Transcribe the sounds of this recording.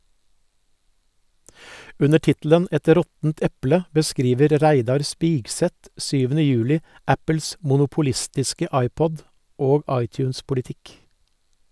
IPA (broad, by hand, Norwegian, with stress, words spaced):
ˈʉnə ˈʈɪtl̩ən ˈɛt ˈɾɔtn̩t ˈɛplə bəˈskɾiːʋəɾ ˈɾæɪdɑɾ ˈspiːɡˌsɛt ˈsyːʋn̩ə ˈjʉːlɪ ˈæpəls mʊnʊpʊˈlɪstɪskə ˈɑɪˌpɔd ˈoːɡ ˈɑɪˌtjʉːnspʊlɪˌtɪk